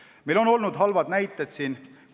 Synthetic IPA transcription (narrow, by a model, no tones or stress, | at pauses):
mejlo̞no̞lnud̪̥ɦɑlvɑd̪næjt̪ːˑed̪̥siːn